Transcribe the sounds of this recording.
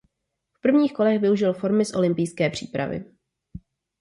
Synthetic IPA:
fpr̩vɲiːxko̞lɛxvɪuʒɪlfo̞ɾmɪsʔo̞lɪmpɪjskɛːpr̝̥ḭːpɾa̰vɪ̰

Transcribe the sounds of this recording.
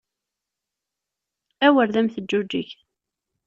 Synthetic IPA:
æwəɾðæmθəd͡ʒːud͡ʒːiç

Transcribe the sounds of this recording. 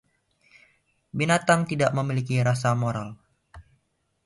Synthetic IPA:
binat̪amt̪idaʔməmilikiɾasamoɾal

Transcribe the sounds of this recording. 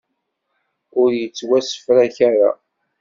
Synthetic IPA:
ʊɾjət͡sːwæsə̥fɾæçaɾa̰

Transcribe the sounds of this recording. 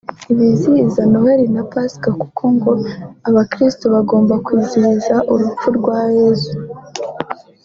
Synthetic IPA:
iβiziizanoɦeɾinapaskakukʰo̞ŋɡo̞aβakɾistoβaɡo̞ːmbakwiːziɾizaʔuɾup͡fuɾɡwaːjezu

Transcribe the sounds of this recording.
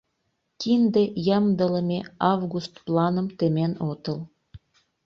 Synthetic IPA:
kind̪ejɑmd̪ələmʲeɑvɣust̪plɑnəmt̪emenot̪əl

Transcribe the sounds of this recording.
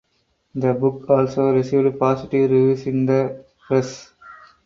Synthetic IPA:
d̪əbʊkɔːlsoːɾɪsiːʋɖpɔːsɪʈiɾiʋiːsĩŋd̪ə | pɾes

